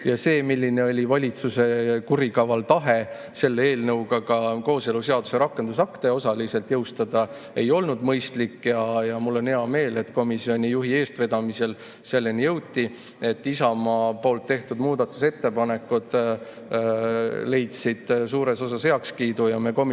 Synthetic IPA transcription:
jɑse̞ːmilʲːine̞o̞lʲivɑlʲit̪suse̞kuɾikɑvɑlt̪ɑɦe̞ | se̞lːee̞ːlnɤwɡ̥ɑkɑko̞ːse̞luse̞ɑd̪u̥se̞ɾɑkːˑe̞nd̪usɑkt̪e̞o̞sɑlise̞lt̪jɤwst̪ɑd̪̥ɑ | e̞jo̞lnud̪̥mɤjst̪likːjɑjɑmulːo̞nheɑme̞ːle̞t̪ːko̞misio̞nʲijuɦie̞ːst̪ve̞d̪ɑmise̞l | se̞lːe̞nijɤwt̪ːˑi | e̞t̪ːˑisɑmɑpo̞ːlt̪ːe̞ht̪ud̪muːd̪ɑt̪ːˑuse̞t̪ːe̞pɑne̞kːˑud̪̥ | le̞jt̪sid̪̥suːɾe̞so̞sɑshe̞ɑkskiːd̪ujɑmeko̞mi

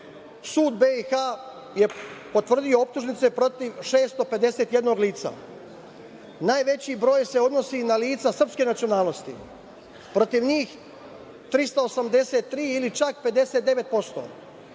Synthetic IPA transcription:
suːd̪beixa | je̞po̞t̪ʋr̩d̪io̞op̚t̪uʒnit̪se̞pɾo̞t̪iʋʃeːst̪o̞pe̞d̪e̞set̪je̞d̪no̞ɡliːt̪sa̰ | naːjʋe̞t͡ɕiːbɾo̞ːjse̞o̞d̪no̞sinaliːt̪sasr̩pske̞nat̪sio̞naːlˠno̞st̪ḭ | pɾo̞t̪iʋɲiːx | t̪ɾist̪aosamd̪e̞se̞t̪ːɾiːilit͡ʃak̚pe̞d̪e̞set̪̚d̪e̞ʋe̞t̪̚po̞st̪o̞̰

